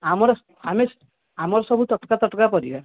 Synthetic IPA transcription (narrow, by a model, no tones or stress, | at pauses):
amɔɾɔ | ames | amɔɾɔsɔbʱut̪ɔʈkat̪ɔʈkapɔɾiba